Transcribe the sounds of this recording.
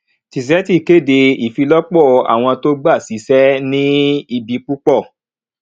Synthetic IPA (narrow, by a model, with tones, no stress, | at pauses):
ti˨s̬ɛ˨˦ti˦˨ke˦˨de˧i˨fi˧lɔ˦k͡pɔ˦˨a̰˨w̃ɔ̃˧to˦ɡ͡ba˦˨si˨˦sɛ˦nĩ˦i˧bi˧k͡pu˦k͡pɔ˦˨